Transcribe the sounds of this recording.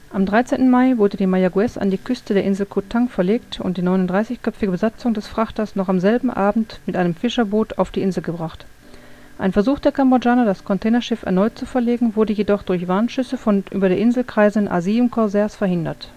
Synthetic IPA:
ʔamdʁaɪt͡seːntn̩maɪvʊɐdədiːmajaɡuɛsa̰ndiːkʰʏstədeːɐʔɪnzl̩kʰotʰaŋfɛɐleːktʊ̰nt̚d̥iːnɔʏnʊntd̥ʁaɪsɪçkʰœpfɪɡəbəzat͡sʊŋdɛsfʁ̥aχtɐsnɔχamzɛlbm̩ʔaːbm̩tmɪtʔaɪnəmfɪʃɐboːtʰaʊfd̥iːʔɪnzl̩ɡəbʁaχt | ʔa̰ɪnfɛɐzuːχd̥eːɐkʰambod͡ʒaːnɐdaskʰɔntʰɛːnɐʃɪfɛɐnɔʏtt͡sufɛɐleːɡŋ̩vʊɐdəjedɔχd̥ʊɐçv̥aɐnʃʏsəfɔnʔy̰ːbɐɾeːʔɪnzl̩kʁ̥aɪzənʔa̰ziːvn̩kʰɔɐzɛɐsfɛɐhɪndɐ̰t

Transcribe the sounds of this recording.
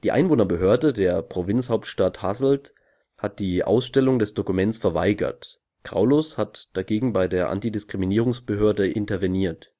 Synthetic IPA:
d̥iːʔa̰ɪnvoːnɐbəɦøːɐdədeːɐpʁ̥ovɪnt͡shaʊp̚tʃtathazl̩t | hat̚d̥iːʔa̰ʊsʃtɛlʊŋdɛsd̥okumɛnt͡sfɛɐva̰ɪɡɐ̰t | kʁ̥a̰ʊloshatd̥aɡeːɡŋ̩baɪdeːɐʔa̰ntidɪskʁ̥iminiːʁʊŋsb̥əɦøːɐdəʔɪntɐvɛniːɐt

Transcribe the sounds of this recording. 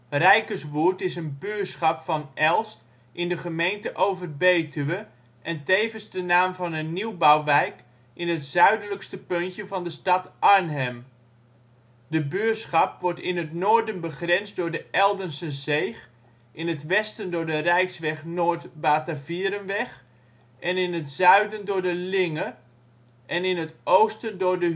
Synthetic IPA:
rɛjkəsʋuəɹtɪsənbyːtsχɑpfɑnʔɛlˠst | ʔɪndəχəmejntəʔowvərbejtyʋə | ʔɛntejvənzdənaːmvɑnənːiwbawʋɛjk | ʔɪnətz̥œɥdələkstəpøntjəvɑndəstɑtʔɑɹnɦɛm | dəbysχɑpʋɔɹtɪnɦətnoːɹdənbəχrɛnsdʊːɹdəʔɛlˠdənsəzejχ | ʔɪnətʋɛstəndʊːɹdərɛjksʋɛχnoːɹtbaːtaviəɾənʋɛχ | ʔɛnɪnətzœɥdəndʊːɹdəlɪŋə | ʔɛnɪnətowstəndʊɹdə

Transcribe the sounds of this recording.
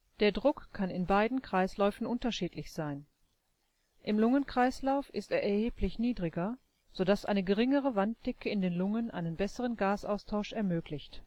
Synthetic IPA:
d̥eːɐdʁʊkʰːanɪnbaɪdn̩kʁ̥aɪslɔʏfn̩ʔʊntɐʃiːtlɪçz̥aɪn | ʔɪmlʊŋənkʁ̥aɪslaʊfʔɪsteːɐʔɛɐheːpʰlɪçniːdʁɪɡɐ | z̥odasʔa̰ɪnəɡəʁɪŋəʁəvant̚d̥ɛkəɪndeːnlʊŋənʔa̰ɪnənbɛsəʁənɡaːsʔa̰ʊstʰaʊʃɛɐmøːklɪçt

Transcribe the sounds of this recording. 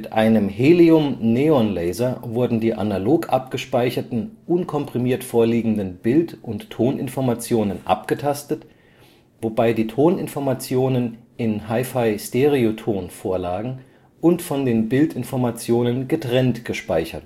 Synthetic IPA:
mɪtʔa̰ɪnəmɦeːliʊmneːɔnlɛɪzɐvʊɐdn̩diːʔa̰naloːkʰʔap̚ɡ̥əʃpaɪçɐtn̩ʔʊnkʰɔmpʁ̥imiːɐtfoːɐliːɡŋ̩dənbɪltʔʊntʰːoːnʔɪ̰nfɔɐmat͡sjoːnənʔa̰pɡ̥ətʰastət | vobaɪdiːtʰoːnɪnfɔɐmat͡sjoːnən | ɪnɦaɪfaɪsteʁiotʰoːnfoːɐlaːɡŋ̩ | ʔʊntfɔndeːnbɪltɪnfɔɐmat͡sjoːnənɡətʁ̥ɛntɡ̥əʃpaɪçɐ̰t

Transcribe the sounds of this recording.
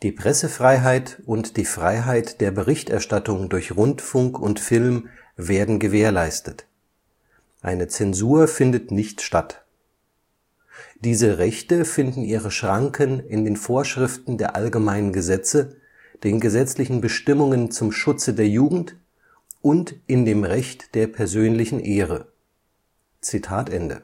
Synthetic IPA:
d̥iːpʁ̥ɛsəfʁ̥aɪɦaɪtʔʊntd̥iːfʁ̥aɪɦaɪtd̥eːɐbəʁɪçtʔɛɐʃtatʊŋdʊɐçʁʊntfʊŋkʊntfɪlm | veːɐdn̩ɡəveːɐlaɪstət | ʔa̰ɪnət͡sɛnzuːɐfɪndətnɪçtʃtat | d̥iːzəʁɛçtəfɪndn̩ʔiːʁəʃʁ̥aŋkʰənɪndeːnfoːɐʃʁ̥ɪftn̩deːɐʔalɡəmaɪnənɡəzɛt͡sə | d̥eːnɡəzɛt͡slɪçn̩bəʃtɪmʊŋənt͡sʊmʃʊt͡sədeːɐjuːɡŋ̩t | ʔʊntʔɪndeːmʁɛçtd̥eːɐpʰɛɐzøːnlɪçn̩ʔeːʁə | t͡sitʰaːtʔɛndə̰

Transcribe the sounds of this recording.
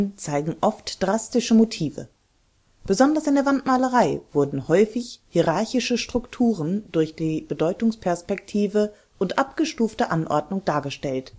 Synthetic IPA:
nt͡saɪɡŋ̩ʔɔftd̥ʁastɪʃəmotʰiːvə̰ | b̥əzɔndɐsɪndeːɐvantmaːləʁaɪv̥ʊɐdn̩hɔʏfɪçhiʁaɐçɪʃəʃtʁ̥ʊktʰuːʁəndʊɐçd̥iːbədɔʏtʊŋspʰɛɐspɛktʰiːvə | ʔʊntʔapɡ̥əʃtuːftəʔanʔɔ̰ɐdnʊŋd̥aːɐɡəʃtɛlt

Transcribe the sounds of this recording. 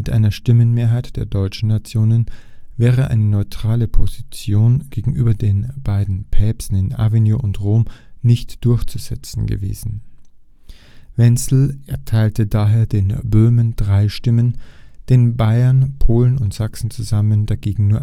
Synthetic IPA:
mɪtʔa̰ɪnɐʃtɪmənmeːɐɦaɪtd̥eːɐdɔʏt͡ʃn̩nat͡sjoːnənvɛːʁ̞əʔa̰ɪnənɔʏtʁ̥aːləpʰozit͡sjoːnɡ̥eːɡŋ̩ʔyːbɐdeːnb̥aɪdn̩pʰɛːpsn̩ɪnʔa̰vinjoʔʊntʁoːmnɪçtd̥ʊɐçt͡suz̥ɛt͡sn̩ɡə̰vḛːzn̩ | vɛnsl̩ʔɛɐtʰaɪltədaːɦeːɐdeːnbøːmənd̥ʁaɪʃtɪmənd̥eːnbaɪɐnpʰoːlənʊntz̥aksn̩t͡suzamənd̥aɡeːɡŋ̩nuːɐ

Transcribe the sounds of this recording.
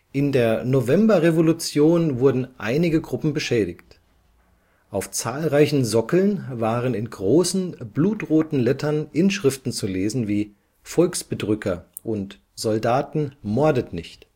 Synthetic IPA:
ʔɪndeːɐnovɛmbɐʁevolut͡sjoːnvʊɐdn̩ʔa̰ɪnɪɡəɡʁʊpm̩bəʃɛːɾɪçt | ʔaʊft͡saːlʁaɪçn̩zɔkl̩nvaːʁənɪnɡʁoːsn̩bluːtʁoːtn̩lɛtʰɐnʔɪnʃʁ̥ɪftn̩t͡suleːzn̩viː | fɔlksb̥ədʁʏkʰɐ | ʔʊnt | z̥ɔldaːtn̩mɔɐdətnɪçt

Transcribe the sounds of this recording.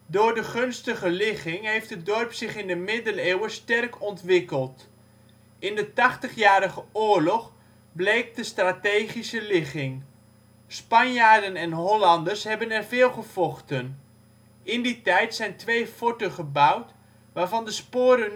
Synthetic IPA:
dʊːɹdəχɵnstəχəlɪχɪŋɦejftədɔrpsɪχɪndəmɪdəlewəstɛrkʰɔntʋɪkəlˠt | ɪndətɑχtəχjaːɾəχəʊːɹlɔχ | blejk̚dəstraːtejχisəlɪχɪŋ | spɑnjaːɹdənɛnɦɔlɑndəsɦɛbənɛrvɪːlˠχəv̥ɔχtən | ɪnditɛjtsɛjntʋejfotəχəbawt | ʋaːɹvɑndəspoːɾən

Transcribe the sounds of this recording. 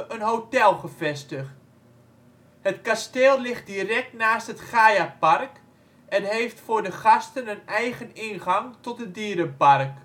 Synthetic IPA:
ʔənɦowtɛlˠχəfɛstəχt | hətkasteːlˠlɪχt̚dirɛk̚tnaːsthətχaːjapark | ʔɛnɦejftfʊːɹdəχɑstənənɛjɣənɪnχaŋtɔt̚dədiːəɾəpark

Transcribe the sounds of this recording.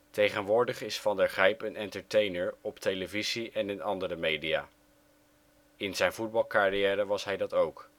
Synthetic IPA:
tejχənʋʊːɹdəχɪsfɑndəɹχrɛjpənɛntəɹtejnəɹɔptejləviziʔɛnɪnɑndərəmejdia̰ː | ɪnzɛjnvud̚bɑlˠkarijɛːɾəʋɑsɦɛjdɑtowk

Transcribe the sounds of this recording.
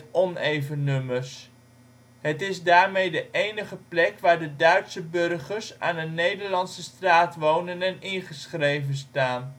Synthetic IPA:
ɔnejvənɵməs | ɦətɪzdaːɹmejdəʔejnəχəplɛkʋaːɹdədœɥtsəbɵrχəɹsa̰ːnənejdəɹlɑnsəstraːtʋownənɛnɪnχəsχrejvənstaːn

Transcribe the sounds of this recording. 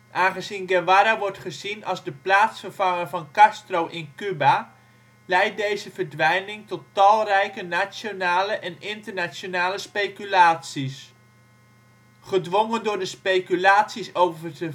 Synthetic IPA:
ʔaːnχəzinɡɛnʋaɾaʋɔɹtχəzinɑlˠzdəplaːtsfərv̥ɑŋəvɑnkastrowʔɪnkyba | lɛjt̚dejzəvəɹdʋɛjnɪŋtɔtːɑlˠrɛjkənasjonaːləʔɛnɪntərnasjonaːləspejkylaːtsis | χədʋoŋəndʊːɹdəspejkylaːtsisowvərtə

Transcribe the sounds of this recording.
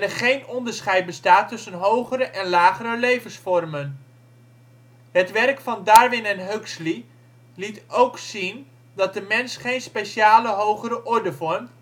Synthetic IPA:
nɛɹχejnɔndəɹsχɛjt̚bəstaːtːʏsənɦowχəɾəʔɛnlaːχəɾəlejvənsfɔrmən | ɦətʋɛrkfɑndaːɹʋɪnɛnɦøksli | litowksin | dɑt̚dəmɛnsχejnspejʃaːləɦowχəɾəʔɔɹdəvɔɹm

